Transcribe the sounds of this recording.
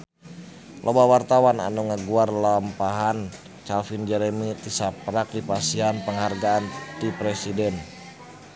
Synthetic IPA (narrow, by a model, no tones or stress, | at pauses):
lʔobawart̪awana̰nuŋəɡuarlampaɦan | t͡ʃalfind͡ʒəɾɛmit̪isapɾak̚dipasianpəŋɦarɡaːnt̪ipɾɛsidɛn